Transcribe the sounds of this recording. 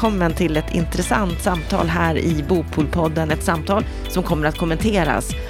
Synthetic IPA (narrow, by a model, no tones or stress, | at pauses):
ɔmːənt̪ʰɪlɛt̪ʰɪ̰nt̪ɾɛsa̰nt̪samt̪ʰɑ̰ːlɦæːɾɪbuːpʰuːlpʰɔd̪ːənɛt̪samːt̪ʰɑːl | sɔmkʰɔmːəɾat̪̚kʰɔmːɛnt̪ʰeːɾa̰s